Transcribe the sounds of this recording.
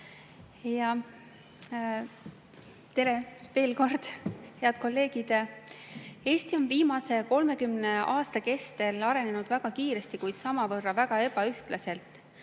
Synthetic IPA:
jɑ | t̪e̞ɾe̞ve̞ːlko̞rd̪̥he̞ɑd̪̥ko̞lːe̞ːɡ̥id̪̥ | e̞ːst̪io̞nviːmɑse̞ko̞lme̞kymne̞ɑːst̪ɑke̞st̪e̞lɑɾe̞nenud̪̥væɡ̥ɑkiːɾe̞st̪ikujd̪̥sɑmɑvɤrːɑvæɡ̥ɑe̞bɑyht̪lɑse̞lt̪ˑ

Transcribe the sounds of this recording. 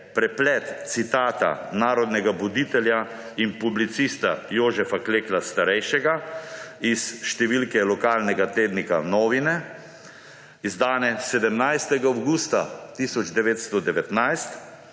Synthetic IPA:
pɾɛplɛt̪t̪sit̪aːt̪a̰naːɾɔd̪nɛɡabɔd̪it̪ɛlja | inpublit̪sist̪ajoːʒɛfakleːklast̪aɾɛjʃɛɡa | isʃt̪ɛʋilkɛlɔkaːlnɛɡat̪eːd̪nika̰nɔːʋinɛ | izd̪aːnɛsɛd̪ɛmnajst̪ɛɡaawɡuːst̪a̰t̪isɔd͡ʒd̪ɛʋeːt̪st̪ɔd̪ɛʋɛt̪najst̪

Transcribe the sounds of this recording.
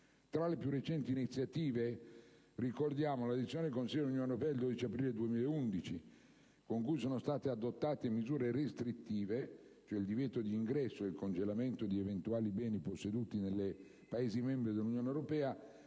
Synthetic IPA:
t̪ɾalepjurːet͡ʃɛnt̪iːnit̪sːjat̪iːve | rikord̪jaːmolad̪it̪sːjoːned̪ekonsilːd̪lunjoneɾopɛːad̪eld̪oːd̪it͡ʃiapɾiːled̪uemiːleund̪it͡ʃi | koŋkujs̬oːnost̪aːt̪ead̪ot̪ːaːt̪emizuːɾeɾest̪ɾit̪ːiːvet͡ʃoɛild̪ivjɛːt̪od̪iːŋɡɾɛsːoeilkond͡ʒelament̪od̪ievent̪uaːlibɛːniposːed̪uːt̪inelːe | paeːzimɛmbɾid̪elːunjoːnewɾopɛːa

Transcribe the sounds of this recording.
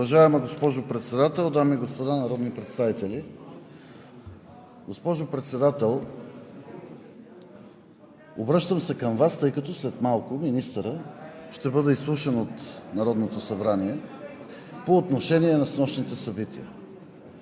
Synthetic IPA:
ʊvɐʒaɛməɡospɔʒopɾɛt̪sɛd̪at̪ɛlˠd̪amiɡospod̪anɐɾɔd̪nipɾɛt̪st̪avit̪ɛli | ɡospɔʒopɾɛt̪sɛd̪at̪ɛlˠ | obɾɤʃt̪əmsɛkəmvast̪ɤjkɐt̪ɔslɛt̪malˠkʊminist̪əɾəʃt̪ɛbɤd̪ɛislˠuʃɛnot̪nɐɾɔd̪not̪osɐbɾaniɛ | poːt̪noʃɛniɛnɐsnɔʃnit̪ɛsɐbit̪ḭjə̰

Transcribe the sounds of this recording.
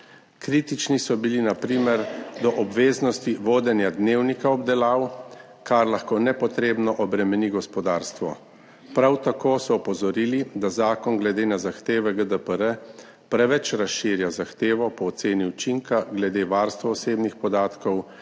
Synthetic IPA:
kɾiːt̪it͡ʃnisɔbilinapɾiːmɛɾd̪ɔʔɔbʋeːznɔst̪iʋoːd̪ɛnjad̪neːwnikaɔbd̪ɛlaːw | kaɾlaxkoːnɛpɔt̪ɾeːbnɔʔɔbɾɛmɛniɡɔspɔd̪aːɾst̪ʋɔ | pɾawt̪akoːsɔːpɔzɔɾiːlid̪azaːkɔnɡlɛd̪eːnazaxt̪eːʋɛɡəd̪əpəɾə | pɾɛʋɛt͡ʃɾasʃiːɾjazaxt̪eːʋɔpɔːt̪seːniut͡ʃiŋkaɡlɛd̪eːʋaːɾst̪ʋɔɔseːbnixpɔd̪aːt̪kɔw

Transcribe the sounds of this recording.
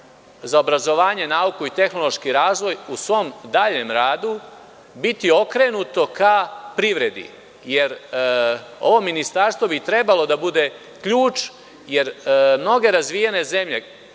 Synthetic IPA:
zaobɾazo̞ʋaːɲe̞naukuit̪e̞xno̞lo̞ʃkiɾaːzʋo̞jusʋo̞md̪aːʎe̞mɾaːd̪u | bit̪io̞kɾe̞nut̪o̞kapɾiʋɾe̞d̪ḭ | je̞ɾ | o̞ʋo̞mːinist̪aɾst̪ʋo̞bit̪ɾe̞balo̞d̪abud̪e̞ | kʎuːt͡ʃ | je̞ɾmno̞ɡe̞ɾazʋijene̞ze̞mʎe̞

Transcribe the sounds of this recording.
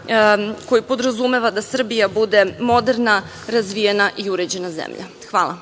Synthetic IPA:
ko̞jipo̞d̪ɾazume̞ʋad̪asr̩bijabud̪e̞mo̞d̪e̞ɾna | ɾazʋijenaʔiuɾed͡ʑe̞nazḛmʎa̰ | xʋaːla̰

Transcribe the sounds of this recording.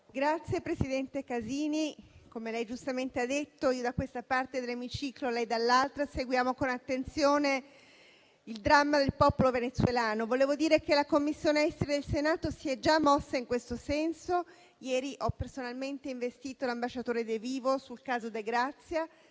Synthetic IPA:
ɡɾat̪sjepɾesid̪ɛnt̪ekaziːnikomelɛjd͡ʒust̪ament̪ead̪ːet̪ːoiːod̪akːwest̪apart̪ed̪elːemit͡ʃiːklolɛjd̪alːalt̪ɾaseɡwjaːmokonat̪ːent̪sjoːne | ild̪ɾamːad̪elpɔpolovenet̪swelaːnovoleːvod̪iːɾekelakomːisːjoːneɛst̪eɾed̪elsenaːt̪osiɛd͡ʒamːɔsːaiŋkwest̪osɛnso | jɛːɾiʔɔpːersonalment̪eiɱvest̪iːt̪olambaʃːat̪oːɾed̪eviːvosulkaːzod̪eɡɾat̪sːja

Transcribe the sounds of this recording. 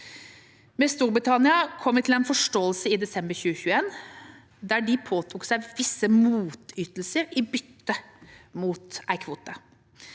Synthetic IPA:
mɛst̪uːɾbɾɪt̪ʰɑnɪɑkʰɔmːʋɪt̪ʰɪl̩ɛnfɔʂʈoːəlsəɪd̪ɛsɛmbəɾçʉːəçʉːeːn | d̪æːɖɪpʰoːt̪ʰuːksæɪʋɪsːəmuːt̪ʏt̪l̩səɾɪbʏt̪ːəmuːt̪ʔæɪkʰʋuːt̪ə

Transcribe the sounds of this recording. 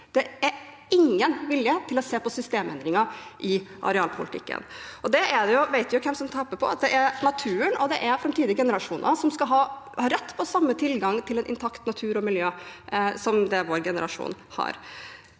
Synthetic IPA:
d̪̥ɛæɾ | ɪŋːənʋɪljət̪ʰɪlɔseːpɔsʏst̪eːmɛ̰nd̪ɾɪŋɑʔɪʔɑ̰ɾɛɑːlpʰʊ̰lɪt̪ʰɪ̰kːə̰nɔd̪ɛæɖ̪ɛjʊʋæɪt̪ʋɪjʊkʰɛmsɔmt̪ʰɑpːəpʰɔ̰ɑ̰t̪̚d̪ɛʔæɾnɑt̪ʰʉːəɳɔd̪ɛʔæɾfɾɑmt̪ʰiːd̪ɪɡɛnəɾɑʂuːnsɔmskɑɦɑːhɑɾɛt̪ːpʰɔsɑmːət̪ʰɪlɡɑŋt̪ʰɪlɛnʔɪ̰nt̪ʰɑkt̪nɑt̪ʰʉːɾɔmɪljøːsɔmd̪ɛʋoːɾɡɛnəɾʔɑʂṵːnhɑ̰ɾ

